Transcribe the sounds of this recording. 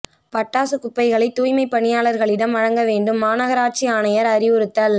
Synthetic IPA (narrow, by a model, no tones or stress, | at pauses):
pɐʈːaːsɯkʊpːɐɪɣɐɭɐɪt̪ːuːjmɐɪpːɐɳɪjaːɭɐɾɣɐɭɪɽɐmʋɐɻɐŋɡɐʋeːɳɖɯmːaːnɐɣɐɾaːʈ̚t͡ʃiaːnɐjɐɾɐɾɪʋɯɾɯt̪ːɐl